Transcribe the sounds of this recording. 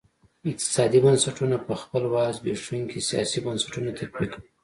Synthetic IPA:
ɪq̚t̪ɪ̥sɑd̪ibansaʈunapəxpəlwɑzbeʂuŋkʰesijɑ̰sibansḁʈunat̪ʰakwik

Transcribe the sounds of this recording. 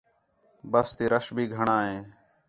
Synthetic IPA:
bəst̪iːɾəʃbʱiːɡʱəɳãːɦẽː

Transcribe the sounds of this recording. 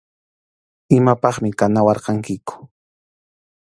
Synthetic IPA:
ɪmapɑχmɪkanawɑɾqɑŋkɪkʊ̥

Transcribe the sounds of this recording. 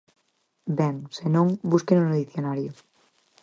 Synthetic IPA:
bɛŋsenõŋbuskenũneðiθjonaɾjo

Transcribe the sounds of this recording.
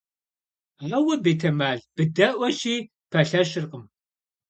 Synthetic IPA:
aːwɐbeːtʰɐmaːɮb̥ɨdɐʔʷɐʃiː | pʰɐɬɐʃɪrqəm

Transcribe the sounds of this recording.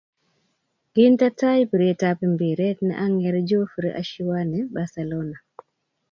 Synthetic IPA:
ɡintatajpiɾɛtapɛmbiɾɛtnɛ̰ʔaŋɛɾɛd͡ʒɔfɾiʔa̰ʃiwanɛbasɛlɔna

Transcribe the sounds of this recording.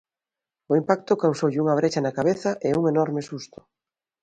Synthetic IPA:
ʊimpak̚t̪ʊkawsowʎɪuŋɐβ̞ɾet͡ʃɐnakaβ̞eθɐʔeuŋenɔɾmɪsust̪ʊ̥

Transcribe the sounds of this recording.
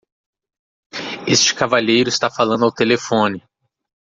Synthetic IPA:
est͡ʃɪ̥kavaʎejɾʊɪst̪afalɐ̃nd̪ʊawt̪elefõnɪ

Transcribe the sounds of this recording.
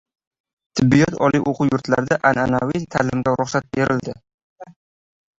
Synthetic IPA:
t̪ʰɪbːijɒt̪ʰɒliʔoqʰujʊɾt̪la̰ɾd̪aʔananawit̪ʰalɪmɡ̪ʲaɾʊχsat̪̚beɾɪld̪ɪ

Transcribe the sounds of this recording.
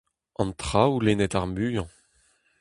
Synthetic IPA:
ɑ̃nt̪χawulenɛt̪aʁmyjɑ̃

